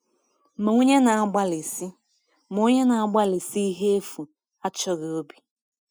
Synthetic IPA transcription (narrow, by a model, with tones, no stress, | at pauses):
mo˨o˦ɲe˦na˨a˦ɡ͡ba˦li˨si˦ | mo˨˦ɲe˦na˨a˦ɡ͡ba˦li˨si˦i˦ɦe˦e˦fu˨ | a˦t͡ʃɔ˨ɣe˨o˦bi˨